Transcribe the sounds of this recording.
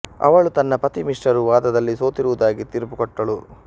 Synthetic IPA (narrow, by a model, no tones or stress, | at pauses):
ɐ̰ʋɐɭut̪ɐnːɐpɐt̪imiʂʈɐɾuʋaːd̪ɐd̪ɐlːiso̞ːt̪iɾuʋud̪aːɡit̪iɾpukɔʈːɐɭu